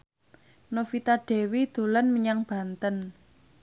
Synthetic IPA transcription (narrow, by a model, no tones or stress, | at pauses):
nofit̪aɖ̥e̤wid̪̥o̤lənməɲaŋb̥a̤nt̪ən